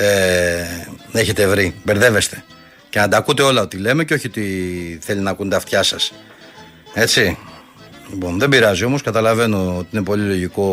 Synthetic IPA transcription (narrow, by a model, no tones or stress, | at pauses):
e | eçe̞t̪evɾibe̞ɾðe̞ve̞st̪e̞̥ | cenɐd̪ɐkut̪e̞o̞lɐo̞t̪ile̞me̞ceo̞çiot̪iθe̞linɐkunt̪ɐft̪çɐsɐs | e̞t͡si | lipo̞nðe̞biɾɐzio̞mo̞skɐt̪ɐlɐve̞no̞ot̪iinepo̞lilo̞ʝiko̞